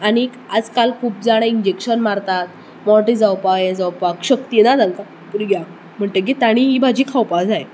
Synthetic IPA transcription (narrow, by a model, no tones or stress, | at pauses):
aɽ̃i | ad͡zkalkʰuːp̚d͡zaɽ̃aind͡ʑekɕənmaɾt̪at̪̚ | mɔɾʈid͡zawpajẽd͡zawpakɕək̚t̪inad͡zankakupuɾiɡʱjak | m̤əɳʈ̪ek̬it̪aɽ̃iɦiːbʱad͡ʑiːkʰawpad͡zaj